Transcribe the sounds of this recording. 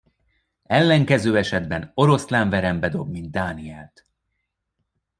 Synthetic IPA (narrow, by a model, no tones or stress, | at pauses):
ɛlːɛŋkɛzøːɛʃɛd̪bɛno̞ɾo̞slaɱvɛɾɛmbɛd̪o̞bmind̪̚d̪ːaːniɛlt̪